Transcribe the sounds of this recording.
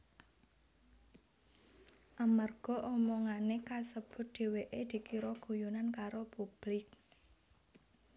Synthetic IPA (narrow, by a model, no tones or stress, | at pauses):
ʔamarɡ̥ɔ̤ʔomɔŋanekasəb̥ʊ̤t̪̚d̪̥e̤weʔed̪̥i̤kiɾɔɡ̥ujunankaɾopub̥lɪk̚